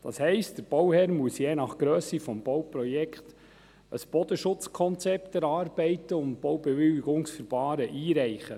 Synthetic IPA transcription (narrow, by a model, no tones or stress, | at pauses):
d̥ɑ̰shɛɪst̚d̥əɾb̥ɔwhɛɾmuəsjeːnɑχɡ̥ɾøːsifɔmb̥ɔwpɾɔjɛkχt̪ | ə̰sb̥ɔd̥̪əʃʊt͡skʰɔnt͡sɛpt̪ɛɾɑːɾb̥ɛɪtəʊnt̚b̥owbɛʋʏliɡʊŋsfəɾbɑːɾəʔiːɾɛɪχə̰